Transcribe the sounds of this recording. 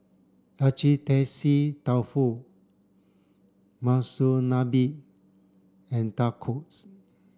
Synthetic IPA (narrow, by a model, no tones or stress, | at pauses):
at͡ʃitɛsitawfu | masunabiʔ | ɛ̃ntakʰos